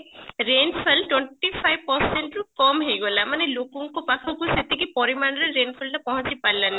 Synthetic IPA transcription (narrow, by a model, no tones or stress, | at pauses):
ɾenfʰelʈweɳʈipʰajʋpəɾseɳʈɾukɔmɦejɡolamanelokuŋkopakʰɔkuset̪ikipɔɾimaɽ̃ɾeɾenpʰəlʈapɔɦɔ̃ɲt͡ʃipailani